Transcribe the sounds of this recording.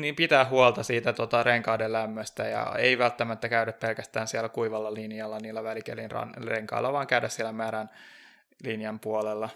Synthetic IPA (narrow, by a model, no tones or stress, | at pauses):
niːmpit̪æːhhuolt̪ɑsiːt̪æt̪ot̪ɑreŋkɑːdellæmːøst̪æjɑ̰eiʋælt̪ːæmæt̪ːækæydæppelkæst̪æːnsiɛlːækuiʋɑlːɑlinjɑlːɑniːlːæʋælikḛlinrɑ̰nleŋkɑ̰ilːɑʋɑːŋkæydæssielːæmæːɾæn | linjɑmpuolelːɑ